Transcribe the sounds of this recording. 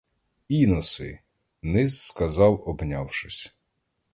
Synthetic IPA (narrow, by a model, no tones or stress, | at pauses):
inɔsɪ̰ | nɪzskɐzɑwɔbnʲawʃɪsʲ